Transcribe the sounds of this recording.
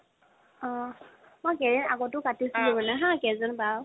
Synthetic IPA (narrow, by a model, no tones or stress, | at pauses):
ɔ̃ | mojkɛzɛna̰ɡɔtʊkatisilɛmanɛɦãkɛzɔnba